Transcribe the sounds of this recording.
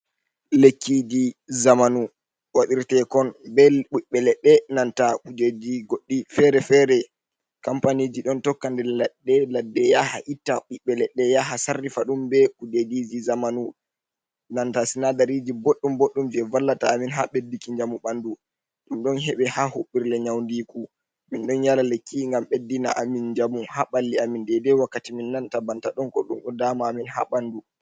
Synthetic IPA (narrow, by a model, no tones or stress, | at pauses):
lekːid͡ʒizamanu | waɗiɾtɛkɔnbɛɓuɓːɛlɛɗːɛnantakud͡ʒed͡ʒiɡoɗːifɛɾɛfɛɾɛ | kampaniːd͡ʒiɗɔntɔkːandɛlaɗɛladːɛjaha̰ʔitːaɓuɓːɛlɛɗɛjaɦasarːifaɗumbɛkud͡ʒedid͡ʒizamanu | nantasinadaɾid͡ʒiboɗːumboɗːumviɛvalːataːminɦaɓedːikiɲd͡ʒamuɓandu | ɗumɗɔnɦɛɓɛhahoɓːiɾlɛɲawndiku | minɗɔnjalalekːiŋɡamɓedːinaʔamind͡ʒamuhaɓalːiamindɛdɛwakːatiminːantabantaɗɔnkɔɗumɗɔdaːmaːminɦaɓandu